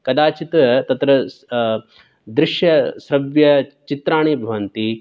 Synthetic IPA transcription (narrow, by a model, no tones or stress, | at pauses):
kɐd̪aːt͡ʃit̪ɐt̪ɐt̪ɾɐ | d̪ɾɪʃjɐsɾɐʋjɐt͡ʃit̪ɾaːɳeːbʱɐʋɐnt̪i